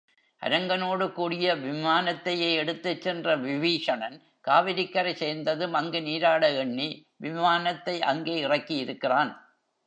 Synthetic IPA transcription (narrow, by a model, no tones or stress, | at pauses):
ʔɐ̰ɾɐŋɡɐnoːɽɯkuːɽɪjɐʋɪmaːnɐt̪ːɐjeɛɽɯt̪ːɐt͡ʃːɛndrɐʋɪʋiːʂɐnɐn | kaːʋɪɾɪkːɐɾɐɪseːɾnd̪ɐðɯmɐŋɡɯniːɾaːɽɐɛɳːi | ʋɪmaːnɐt̪ːɐɪʔɐŋɡeːɪrɐkːɪjɪɾɯkːɪraːn